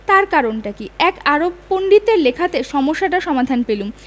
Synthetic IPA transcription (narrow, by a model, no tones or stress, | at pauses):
t̪aɾkaɾonʈakiɛkaɾobpoɳɖit̪eɾlekʰat̪eʃɔmoʃːaʈaʃɔmad̪ʱanpelum